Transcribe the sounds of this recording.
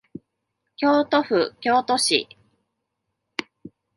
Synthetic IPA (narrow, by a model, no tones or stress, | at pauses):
kʲo̞ːt̪o̞ɸɯ̟kʲo̞ːt̪o̞ɕḭ